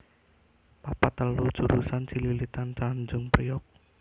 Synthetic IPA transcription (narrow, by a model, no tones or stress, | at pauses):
papat̪əlu̥d͡ʒ̥uɾusant͡ʃililit̪ant͡ʃand͡ʒʊŋpɾijɔk̚